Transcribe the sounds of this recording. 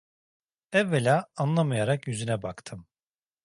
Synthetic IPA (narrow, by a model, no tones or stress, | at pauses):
ɛvːelʲaːanlˠamajaɾakjyzynɛbakt̪ʰɯm